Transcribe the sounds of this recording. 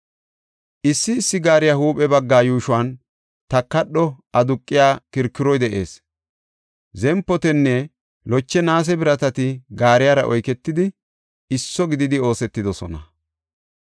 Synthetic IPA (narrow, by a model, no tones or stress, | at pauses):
ʔɪsːɪːsːɪɡaːɾɪjahuːpʼɛbɐɡːaːjuːʃʊwaːn | t̪ɐkːɐɗːɔɐd̪ʊkʼːɪjaːkɪɾkːɪɾɔjd̪ɛʔe̞ːs | zɛmpːɔt̪ɛnːɛ | lɔt͡ʃːɛnaːs̬ɛbɪɾɐt̪ɐt̪ɪɡaːɾɪjaːɾɐʔɔjkɛt̪ːɪd̪ɪ | ɪsːɔɡɪd̪ɪd̪ɪo̞ːsɛt̪ːɪd̪ɔsɔ̰nɐ